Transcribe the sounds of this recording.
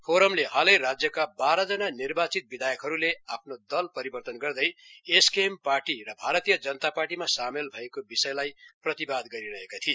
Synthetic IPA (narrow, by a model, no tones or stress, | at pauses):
pʰoɾʌmleɦalʌjɾad͡zjʌkabaɾʌd͡zʌnanirbat͡sit̪̚bid̪ʱajʌkɦʌɾuleapʰnod̪ʌlpʌɾibʌrt̪ʌnɡʌrd̪ʌjeskemparʈirʌbʱaɾʌt̪ijʌd͡zʌnʌt̪aparʈimasamelbʱʌekobisʌjlajprʌt̪ibad̪ɡʌɾiɾʌɦekat̪ʰie